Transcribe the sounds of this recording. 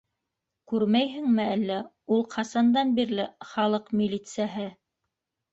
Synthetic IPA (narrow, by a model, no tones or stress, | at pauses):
kʉɾmæjɦɘ̆ŋmɘælːæ | ulˠqʰɑsɑnd̪ɑnbiɾlɘχɑlˠɤqmʲilʲit̪sɨjaɦɘ